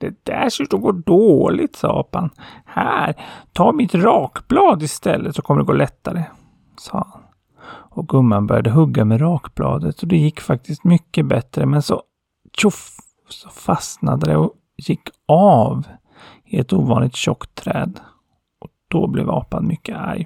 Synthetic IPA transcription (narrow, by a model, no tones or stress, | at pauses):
d̪̥ɛd̪æʂʉʈɔmɡoːɖoːlɪt̪sɑ̰ːɑ̰ːpanhæːɾt̪ʰɑːɾmɪt̪ɾɑːkblɑːd̪ɪst̪ɛlːət̪sɔkʰɔmːəɖɛɡoːlɛt̪ːaɾə | sɑ̰ːhan | ɔɡɵmːanbœ̰ɾjad̪əɦɵɡːamɛɾɑːkb̥lɑ̰ːd̪ət̪sɔd̪ɛjɪkːfak̚t̪ʰɪst̪mʏkːəbɛt̪ɾəmɛnsɔ | ɕʊf | sɔ̥fasna̰d̪əd̪ɛɔ | jɪkːɑːv | ɪɛt̪uːvɑːnlɪt̪ɕɔkt̪ʰːɾɛ̰ːd̪ | ɔd̪̥ɔblɛ̰ːvɑ̰ːpanmʏkːəa̰ɾj